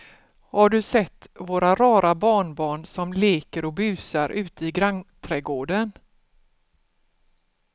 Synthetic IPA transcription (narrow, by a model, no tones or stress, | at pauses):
haɖɵsɛt̪ːvoːɾaɾɑːɾabɑːɳbɑːɳsɔmleːkəɾɔbʉ̟ːsaɾʔʉ̟ːt̪əɪɡɾaŋt̪ʰɾɛɡoːɖən